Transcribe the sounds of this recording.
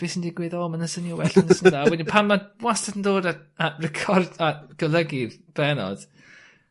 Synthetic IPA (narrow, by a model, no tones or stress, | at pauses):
v̥ɪsəndiɡweðɔːmanəsənjuwɛɬanəsənðaːwɛnipʰanmawastadəndoːdaarɛkʰɔrdaɡ̥ələɡɪðb̥ɛnɔ̰d̥